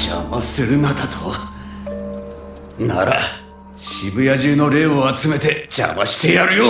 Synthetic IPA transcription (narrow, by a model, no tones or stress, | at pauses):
d͡ʑa̰masɨɾɯnat̪at̪ʰo | na̰ɾa̰ | ɕibɯ̟jaʑɨːno̞ɾe̞ːoat͡sɨme̞t̪e̞d͡ʑa̰maɕi̥t̪e̞jaɾɯ̟joː